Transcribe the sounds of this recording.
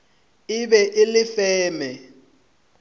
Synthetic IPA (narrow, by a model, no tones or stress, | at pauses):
ɪbɛʔɪlɪfɛːmɛ